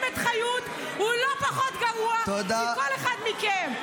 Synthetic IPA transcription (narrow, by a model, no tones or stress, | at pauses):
met̪χajut̪ | ulopaχot̪ɡaʁuat̪od̪akoleχad̪mikem